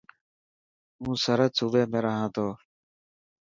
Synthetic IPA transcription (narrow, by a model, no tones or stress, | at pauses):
mũːsəɾət̪suʋeːmẽːɾəɦãːt̪ʰoː